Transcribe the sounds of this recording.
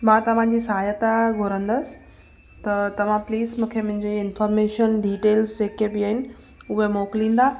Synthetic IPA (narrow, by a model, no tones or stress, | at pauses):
mãːt̪ɐʋ̤ãɲd͡ʑiːsɐɦaːjət̪aɡʱʊɾə̃nd̪əsɪ̥ | t̪ɐt̪ɐʋ̤ãpliːzmũːkʰemʊ̃ɦɪ̃ɲd͡ʑeɪnfɔːɾmeːʃənɖiːʈeːlsd͡ʑeːkebɪaːɦɪnɪ̆ | ʊɦemoːklĩːn̆d̪a